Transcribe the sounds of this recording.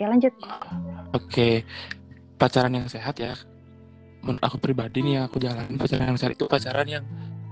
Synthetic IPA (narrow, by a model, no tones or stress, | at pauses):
jalaɲd͡ʒʊt̪̚ | ake | pat͡ʃaɾanjaŋseɦat̪ja̰ | mʊna̰kupɾibadinijaŋakud͡ʒala̰nɪnpat͡ʃa̰ɾa̰njaŋsehat̪i̥t̪upat͡ʃaɾanjaŋ